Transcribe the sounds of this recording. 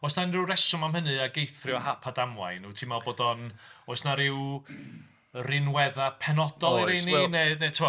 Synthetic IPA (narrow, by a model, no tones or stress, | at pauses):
ɔsnanrɪwrɛsʊmamhənɨaɡejθrɪahapʰadamwˠa̰jnutʰimalˠboːdɔnɔsnaɾɪw | rɪnwɛðapʰɛnɔd̥ɔlˠiɾejninenetʰəwɔ